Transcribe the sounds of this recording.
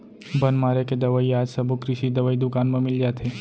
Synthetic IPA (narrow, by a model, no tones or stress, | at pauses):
bɐnmaːɾeked̪ɐʋəiaːd͡ʒsɐbʱukɾɪʃid̪ɐʋəid̪ʊkaːnmə̃mɪld͡ʒaːt̪ʰe